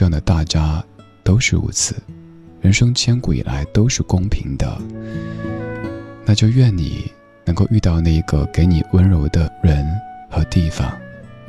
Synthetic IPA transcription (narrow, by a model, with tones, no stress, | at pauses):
ɑ˥˩ŋd̪ə˩t̪a˥˩t͡ɕja˥t̪o˥ʊʂɻ̩˥˩ṵ˧˥t͡sʰɹ̩˨˩˦ | ɻə˧˥nʂɤ˥ŋt͡ɕʰjɛ˥nku˧˩ḭ˨˩lʔa̰˧˥ɪt̪o˥ʊʂɻ̩˥˩kʊ˥ŋpʰi˧˥ŋd̪ə̰˧ | na˥˧t͡ɕjo˥˧ʊɥɛ˥˩nnḭ˨˩ | nɤ˧˥ŋko˥˧ʊy˥˧t̪ɑ˥˧ʊna˥˩i˧˥ɡə̰˧ke˧˥ɪni˨˩wə˥nɻo˧˥ʊd̪ə˧ɻə˧˥nxɤ˧˥t̪i˥˩fɑ̰˨˩ŋ